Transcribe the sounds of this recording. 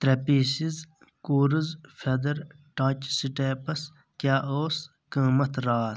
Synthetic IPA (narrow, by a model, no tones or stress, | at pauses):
t̪ɾɐpiːsiz | kuːɾizfʰɐd̪ɐɾ | ʈãːt͡ʃsiʈeːpɐs | kʲjaːʔoːs | kəːmɐt̪ʰɾaːt̪